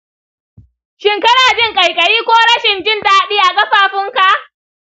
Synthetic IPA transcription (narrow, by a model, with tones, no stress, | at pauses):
ʃɪ˨ŋkɐ˦ɽaː˨d͡ʒɪ˦˨ŋkʼɐ˨jkʼɐ˨ɽiː˦kʷoː˦ɽɐ˦ʃɪ˨nd͡ʒɪ˦nta˨ha˨ɗiː˦ʔa˨kʼɐ˦ɸaː˨ɸɪ˦ŋka˨ʔ